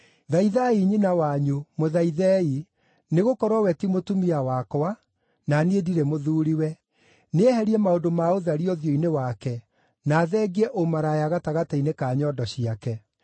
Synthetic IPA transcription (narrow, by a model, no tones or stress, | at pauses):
ðaiðaiɲinawaɲumoðaiðɛi | neɣokɔɾwawɛtimotumiawakɔa | naniediɾɛmoðuːɾiwɛ | nehɛɾiɛmaodomaoðaɾiɔðjɔinewakɛ | naðɛɡiɛʔomaɾajaɣataɣatainekaːɲɔdɔɕiakɛ